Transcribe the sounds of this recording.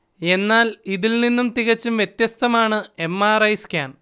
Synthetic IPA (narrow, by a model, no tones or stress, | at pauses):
e̞nːaːliðilninːumt̪iɣɐt͡ɕːumʋje̞t̪jɐst̪ʰɐmaːɳɨe̞mːaːrɐjskʲaːn